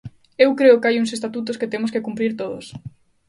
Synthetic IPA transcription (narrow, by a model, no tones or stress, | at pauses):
ewkɾeʊkeajuŋsest̪at̪ut̪̬ʊsket̪emʊskekumpɾiɾt̪oðʊ̰s